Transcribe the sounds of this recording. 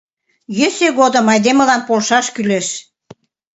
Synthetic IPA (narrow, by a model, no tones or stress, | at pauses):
jøseɣod̪ə̆mɑjd̪emə̆lɑnpolʃɑʃkyleʃ